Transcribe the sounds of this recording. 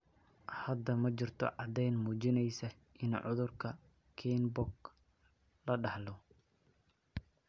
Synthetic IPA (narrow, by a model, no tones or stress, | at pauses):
hɐd̪ɐmɐt͡ʃɪrt̪ʰɔ̰ʕɑd̪ɛjnmuːt͡ʃɪnɛjsɐ | ʔɪnʕʊ̰ðʊrkʰɐ | kʰiːnbʊɡ | lɐɖɑħlɔ